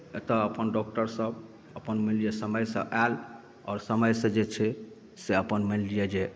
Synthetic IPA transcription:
et̪əəpənɖɔk̚ʈəɾsəb | əpənməlijesəməjsə̰̃ʔal | ɔ̰ːɾsəməjsə̃d͡ʒet͡ʃʰɛ | seəpənməllijed͡ʒe

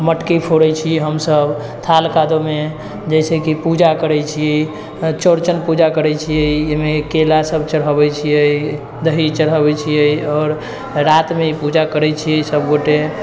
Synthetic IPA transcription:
məʈkipʰoɽɛt͡ʃʰiɦəmsəb | t̪ʰalkad̪ome | d͡ʒəjsekipud͡ʒakəɾɛjt͡ʃʰiɛ | t͡ʃoɾt͡ʃənpud͡ʒakəɾɛt͡ʃʰijəemekelasəbʱt͡ʃəɽɦəbɛt͡ʃʰijəj | d̪əɦit͡ʃəɾɦəbɛt͡ʃʰijəjɔːɾ | ɾat̪meipud͡ʒakəɾɛt͡ʃʰijəsəbɡoʈe

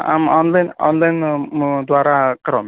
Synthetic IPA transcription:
a̰mɔnlajnɔ̰nlajnd̪waːɾakɐɾɔm

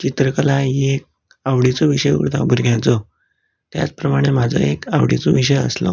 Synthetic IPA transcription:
t͡ɕit̪ɾəkəlaiek̚ | aʋɽit͡sɔʋiɕəjṵɾt̪ʰa̰bʱuɾɡjãt͡sɔ | t̪ja̰t͡spɾəmaɽ̃em̤ad͡zʱə̰ekaʋɽ̤ḭt͡sɔʋiɕ̬əjə̰slɔ̰

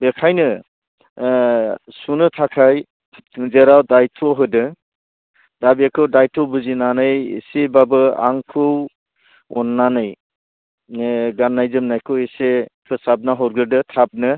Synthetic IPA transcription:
bekʰajnɯ | sunɯtʰakʰaj | zeɾawdajtʰɔɦɯdɯ | dabekʰɯwdajtʰɔwbuzinanɯjḛsebabɯa̰ŋkʰɯw | ɔnːanɯj | ɡanːajzɯmnajkʰɯwesepʰɯsab̚naɦɔɾɡɯɾdɯtʰap̚nɯ

